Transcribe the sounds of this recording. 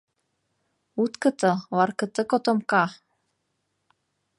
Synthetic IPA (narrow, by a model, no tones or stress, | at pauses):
ut̪kɤ̆t̪ɤlɑrkɤ̆t̪ɤkot̪omkɑ